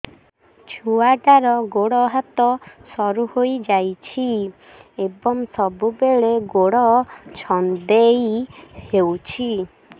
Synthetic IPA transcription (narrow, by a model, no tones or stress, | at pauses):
t͡ʃʰuaʈaɾɔɡoɽɔɦat̪ɔsɔɾuhojd͡ʒajt͡ʃʰi | ebɔŋsɔbubeɭeɡoɽɔt͡ʃʰɔnd̪ejhewt͡ʃʰi